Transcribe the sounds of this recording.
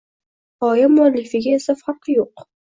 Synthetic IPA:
ɒjamʊalːɪfɪɡʲaesafaɾqʰjoq

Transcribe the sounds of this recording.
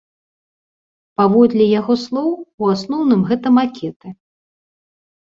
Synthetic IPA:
pavɔd̪lʲɛjaɣɔslˠɔwuasnɔwnɨmɣɛt̪ɐmakʲɛt̪ɨ

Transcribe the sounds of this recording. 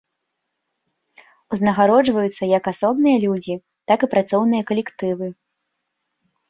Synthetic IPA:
uznɐɣaɾɔd͡ʐvɐjut̪sːɐjɐkasɔbnɨjɐlʲud͡zʲi | t̪akipɾat̪sɔwnɨjɐkɐlʲɛkt̪ɨvɨ

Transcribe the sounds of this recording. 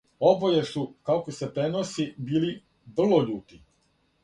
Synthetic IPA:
o̞bojesukaokose̞pɾe̞nosibiːli | br̩lˠoʎuːt̪i

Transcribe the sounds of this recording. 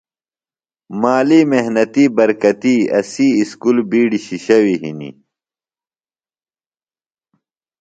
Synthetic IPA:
maːlimeɦnɐt̪iːbɐɾkɐt̪iːɐ̰siːskulbiːɖiɕiɕɐwiɦḭnḭ

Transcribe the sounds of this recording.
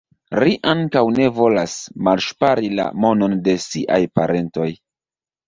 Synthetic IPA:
liʔaŋkawne̞vo̞lasmalʃpaɾila̰mo̞no̞nde̞siʔa̰jpaɾʔe̞nto̞j

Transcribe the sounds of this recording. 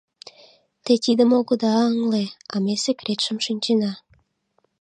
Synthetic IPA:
t̪et̪id̪əmoɣəd̪ɑəŋleɑmesekɾet̪ʃəmʃynʲt͡ɕenɑ

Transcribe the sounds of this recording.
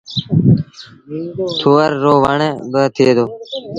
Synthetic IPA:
t̪ʰuːəɾːoːʋəɳeːbət̪ʰeːd̪oː

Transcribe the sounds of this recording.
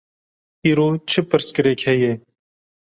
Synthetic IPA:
iːɾoːt͡ʃʰɪpɨɾskɨɾeːkhɛje

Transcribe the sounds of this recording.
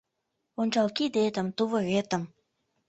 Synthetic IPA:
onʲt͡ɕɑlkid̪et̪ə̆mt̪uβɤɣet̪ə̆m

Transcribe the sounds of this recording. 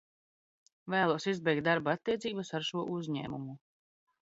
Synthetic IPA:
væːlˠuɔsizbɛjk̚t̪̚d̪aɾbaat̪ːiɛt̪siːbəsaɾʃuɔʔuzʲɲæ̰ːmṵmu

